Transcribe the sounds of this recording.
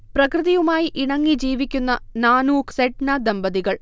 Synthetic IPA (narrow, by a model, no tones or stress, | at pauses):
prɐkrɨðɐjumaːjiʔiɳɐŋːid͡ʑiːʋikʲːunːɐnaːnuːkseʈnad̪ɐmbɐðiɣɐɭ